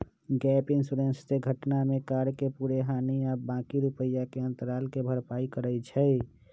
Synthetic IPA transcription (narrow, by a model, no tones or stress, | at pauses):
ɡɛpinsuɾensseɡʱəʈnamekaɾkepuɾeɦaniabãkiɾupəjːakeə̃nt̪əɾalkebʱəɾpaikəɾət͡ʃʰəɪ